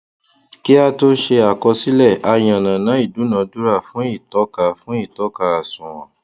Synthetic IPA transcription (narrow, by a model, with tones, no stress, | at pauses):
ki˦a˧to˦ʃe˧a˨kɔ˧si˦lɛ˦˨a˧j̃ã˨nã˨nã˨˦i˦˨du˨˦nã˨˦du˦ɾa˦˨fũ˨˦i˦˨tɔ˨˦ka˦˧fũ˦i˦˨tɔ˨˦ka˧a˨sũ˨wã̰˨